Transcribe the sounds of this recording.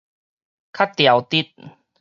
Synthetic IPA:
kʰa˦˥t̚t̪ːja˨˦wt̪i˦˩t̪̚

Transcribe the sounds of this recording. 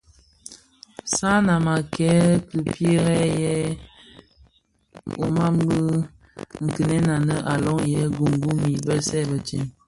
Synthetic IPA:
sa˦na˨ma˨kɛ˦kɨ˨pje˦ɣɛ˦jɛ˦ | o̰˨ma˦m˦bə˦ | ŋ̩˨kə˨nɛ˦na˨nə˦ʔa˨lɔ˦ŋjɛ˦ɡu˨ŋ˨ɡu˦mi˨bə˦sɛ˦˨bə˨t͡ʃḭ˨n

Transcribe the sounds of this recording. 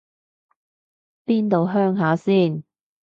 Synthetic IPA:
piː˥nt̪o˨wɦœː˥ŋɦaː˨˥siː˥˩n

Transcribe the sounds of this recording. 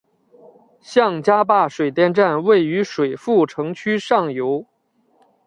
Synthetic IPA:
ɕjɑ˥˩ŋt͡ɕja˥pa˥˩ʂwe˨˩ɪt̪jɛ˥˧nʈ͡ʂa˥˧nwe˥˩ɪy˧˥ʂwe˨˩ɪfu˥˩ʈ͡ʂʰɤ˧˥ŋt͡ɕʰy˥ʂɑ˥˩ŋjo˧˥ʊ

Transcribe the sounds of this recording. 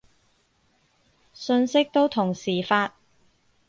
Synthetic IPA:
sɵ˧nsɪ˥k̚t̪o˥wt̪ʰʊ˨˩ŋsiː˨˩faː˧t̚

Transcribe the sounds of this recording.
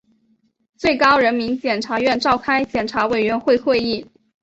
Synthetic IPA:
t͡swe˥˩ɪkɑ˥ʊɻə˧˥nmi˧˥nt͡ɕjɛ˨˩nʈ͡ʂʰa˧˥ɥɛ˥˧nʈ͡ʂɑ˥˩ʊkʰa˥ɪt͡ɕjɛ˨˩nʈ͡ʂʰa˧˥we˨˩ɪɥɛ˧˥nxwe˥˧ɪxwe˥˧ɪi˥˩

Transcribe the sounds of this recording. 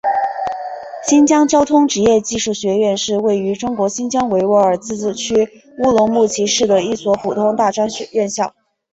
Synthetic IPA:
ɕi˥nt͡ɕjɑ˥ŋt͡ɕjɑ˥ʊt̪ʰʊ˥ŋʈ͡ʂɻ̩˧˥jɛ˥˧t͡ɕi˥˧ʂu˥˩ɕɥɛ˧˥ɥɛ˥˧nʂɻ̩˥˧we˥˩ɪy˧˥ʈ͡ʂʊ˥ŋkwɔ˧˥ɕi˥nt͡ɕjɑ˥ŋwe˧˥ɪwɔ˧˥ə˞˨˩t͡sɹ̩˥˩t͡ɕʰy˥ | u˥lʊ˧˥ŋmu˥˩t͡ɕʰi˧˥ʂɻ̩˥˩d̪ə˩i˥˩swɔ˧˥pʰu˨˩t̪ʰʊ˥ŋt̪a˥˧ʈ͡ʂa˥nɕɛ˧˥ɥɛ˥˧nɕjɑ˥˩ʊ

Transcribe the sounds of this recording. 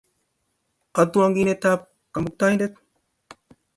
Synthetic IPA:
qa˨d̪u˦wa˦ŋɡi˦ne˦t̪a˦p̚ | ka˨mu˨k̚t̪aː˦hi˦nd̪e˦t̪̚

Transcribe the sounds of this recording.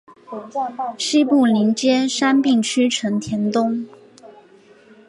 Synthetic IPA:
ɕi˥pu˥˩li˧˥ŋt͡ɕjɛ˥ʂa˥npi˥˩ŋt͡ɕʰy˥ʈ͡ʂʰɤ˧˥ŋt̪ʰjɛ˧˥nt̪ʊ˥ŋ

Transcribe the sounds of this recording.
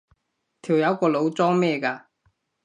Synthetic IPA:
t̪ʰi˨˩wjɐ˨˥wkɔː˧lo˨˧wt͡sɔː˥ŋmɛː˥˧kaː˧

